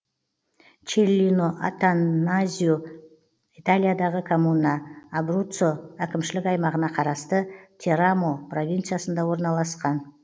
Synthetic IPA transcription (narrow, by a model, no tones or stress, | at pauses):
t͡ʃeɾlʲinoʔa̰t̪anazʲiju | it̪alʲijad̪ɑʁəkʰomunɑːbrut̪soækʲɪmʃɪlɪkɑjmɑʁənɑqʰɑɾɑst̪ət̪ʲʰeɾamopro̞vʲint̪sɨjasənd̪ɑwo̞ɾnɑlˠɑsqɑn